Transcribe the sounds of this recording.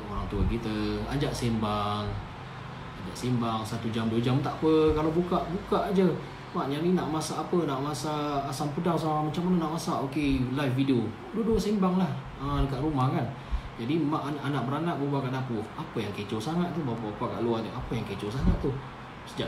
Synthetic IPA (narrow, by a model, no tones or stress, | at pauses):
oɾaŋt̪uakit̪əa̰d͡ʒaʔsembaŋ | ad͡ʒaʔsembaŋsat̪ud͡ʒamduəd͡ʒamt̪aʔpəkalabukaʔbukaʔad͡ʒə | maʔɲaninaʔmasaʔːpənaʔmasaːsampədaŋs̬amamat͡ʃaŋmanənaʔmasaʔokelajfvidio | duəduəsembaŋlah | ədəkaʔɾumahkan | d͡ʒadimaʔnʔanaʔbəɾanaʔ̚bəbakaʔdapufapəjaŋket͡ʃosaŋat̪̚t̪ːubapaʔbapaʔka̰ʔluat̪uapəjaŋket͡ʃosaŋat̪̚t̪ːu | səd͡ʒaʔ